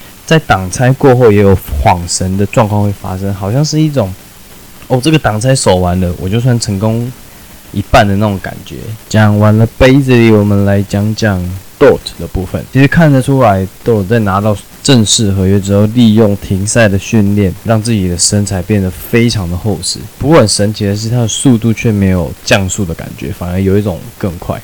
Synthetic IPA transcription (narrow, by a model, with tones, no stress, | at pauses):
t͡sa˥˩ɪt̪ɑ˨˩ŋt͡sʰa˥ɪkwɔ˥˧xo˥˩ʊjɛ˨˦˥jo˨˩ʊxwɑ˨˩ŋʂə˧˥nd̪ə˨ʈ͡ʂwɑ˥˧ŋkʰwɑ˥˧ŋxwe˥˩ɪfa̰˥ʂə˦ŋxɑ˨˩ʊɕjɑ˥˧ŋʂɻ̩˥˧i˥˩ʈ͡ʂʊ˨˩ŋ | ɔ˥˨˩ʈ͡ʂə˥˩ɡə˨˩t̪ɑ˨˩ŋt͡sʰa˥ɪso˨˩ʊwa˧˦nlə˨wʔɔ̰˨˩t͡ɕjo˥˩ʊs̬wa˧˥nʈ͡ʂʰə˧˥ŋkʊ˥ŋ | i˧˥pa˥˩nd̪ə˩na˥˩ʈ͡ʂo˨˧˦ŋka̰˨˩nt͡ɕɥɛ̰˧˦t͡ɕjɑ˨˥ŋwa˨˦nlə˧pe˥ɪd͡z̩˨li˨˥wɔ˨˩mə˨nla˧˦ɪt͡ɕjɑ˥ŋt͡ɕjɑ˨˩ŋt̪ɔ˥˩t̪ʰd̪ə˩pu˥˩fə̰˨˩nt͡ɕʰi˧˥ʂ̩˧˦kʰa˥˨nd̪ə˨˩ʈ͡ʂʰu˦˥la˧˦ɪt̪ɔ˥˩tt͡sa˥˩ɪna˧˥t̪ɑ˥˧ʊ | ʈ͡ʂə˥˧nʂɻ̩˥˩xɤ˧˥ɥɛ˧˥ʈ͡ʂɻ̩˨˩o˥˧li˥˧jʊ˥˩ŋt̪ʰi˧˥ŋsa˥˩ɪd̪ə˩ɕy˥˧nljɛ˥˩nɻɑ˥˧ŋt͡sɹ̩˥˩t͡ɕi˨˩d̪ə˩ʂə˦nt͡sʰa˧˥ɪpjɛ˥˩nd̪ə˩fe˥ɪʈ͡ʂʰɑ˧˥ŋd̪ə˨xo˥˧ʊʂɻ̩˥pu˧˥kwɔ˥˩ə˨˩nʂə˧˥nt͡ɕʰi˧˥ə˧˦ʂɻ̩˥˧t̪ʰa˥d̪ə˨su˥˧t̪̬u˥˧t͡ɕʰɥɛ˥˩me˧˥ɪjo˨˩ʊt͡ɕjɑ˥˧ŋsu˥˩d̪ə˩ka̰˨˩nt͡ɕɥɛ̰˧˦fa˨˩nə˧˦˥jo˨˩ʊi˥ʈ͡ʂo˨˩ŋkə˥˧ŋkʰwa̰˥˩ɪ